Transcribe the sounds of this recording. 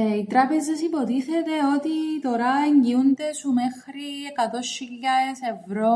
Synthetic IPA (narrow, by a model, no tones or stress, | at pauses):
it̪ɾɐpe̞zɐsipo̞t̪iθe̞t̪e̞o̞t̪it̪o̞ɾɐeɲɟiund̪esume̞xɾiekɐt̪o̞sçiʎːɐese̞vɾo̞